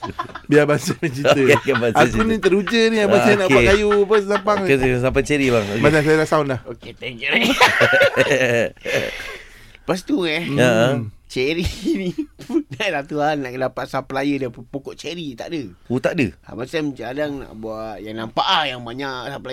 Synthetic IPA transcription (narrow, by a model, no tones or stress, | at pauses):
biabasəmət͡ʃit̪əiabaaunnit̪əɾud͡ʒəniabasanaʔakajupəssapaŋəsapat͡ʃeɾibaŋmasasajalaʔsaunlahoket̪ɛŋt͡ʃəɾe | pas̬t̪uɛəət͡ʃeɾiniunalat̪uanaʔkənapat̪sapəlajədapokɔʔt͡ʃeɾit̪a̰ʔdəut̪aʔdəa̰basamət͡ʃaadaŋna̰ʔbuaʔjaŋnampaʔajaŋbaɲaʔsapəla